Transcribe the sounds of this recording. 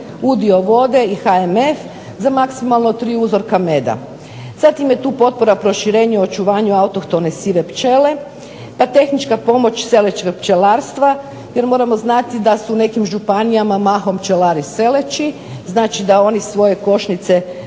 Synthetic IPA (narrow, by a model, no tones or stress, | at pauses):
ud̪io̞ʋo̞d̪e̞ixaeme̞f | zamaksimalnot̪ɾiːuzo̞ɾkame̞d̪a̰ | z̥at̪imje̞t̪uːpo̞t̪̚po̞ɾapɾo̞ʃiɾe̞ːɲuo̞t͡ʃuʋaːɲuaut̪o̞kt̪o̞nesiʋe̞pt͡ʃe̞le̞ | pat̪e̞xnit͡ʃkapo̞mo̞t͡ʃse̞let͡ʃeɡpt͡ʃelaːɾst̪ʋa | je̞ɾmo̞ːɾamo̞znat̪id̪asuːne̞kimʒupanijamamaxo̞mpt͡ʃelaɾise̞le̞t͡ʃi | znaːt͡ʃid̪ao̞nisʋo̞je̞ko̞ʃnit̪se̞